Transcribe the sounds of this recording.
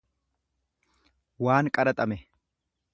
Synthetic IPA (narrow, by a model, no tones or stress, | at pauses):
waːŋkʼɐɾɐt̪ʼɐmɛ